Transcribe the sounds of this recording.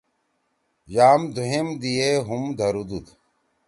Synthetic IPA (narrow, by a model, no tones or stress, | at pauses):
jaːmd̪ʱuɦemd̪ijeɦumd̪ʱɐɾud̪ud̪